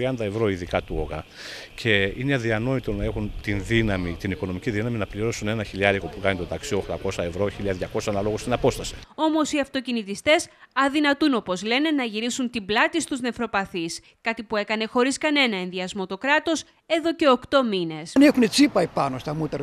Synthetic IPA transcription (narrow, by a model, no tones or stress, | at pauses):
iɐnd̪ɐe̞vɾo̞iðikɐt̪uo̞ɣɐ̰ | cʰe̞ineɐðiɐno̞it̪onɐexunt̪inðinɐmit̪iniko̞no̞miciðinɐminɐpliɾo̞sune̞nɐçiliɐɾiɣo̞pukɐnit̪od̪ɐksio̞xt̪ɐko̞sɐe̞vɾo̞çilɐðʝɐko̞sɐenɐlo̞ɣost̪inɐpo̞st̪ɐsi̥o̞mo̞siɐft̪o̞cinit̪ist̪e̞sɐðinɐt̪uno̞po̞zle̞ne̞nɐʝiɾisunt̪imblɐt̪ist̪uzne̞fɾo̞pɐθis | kɐt̪ipue̞kɐne̞xo̞ɾiskɐne̞nɐenðiɐzmo̞t̪o̞kɾɐt̪o̞s | e̞ðo̞ce̞o̞kt̪o̞mine̞snexunet͡sipɐipɐnost̪ɐmut̪eɾ